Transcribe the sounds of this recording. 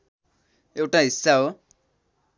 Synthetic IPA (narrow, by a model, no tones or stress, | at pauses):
ewʈaɦisːaɦo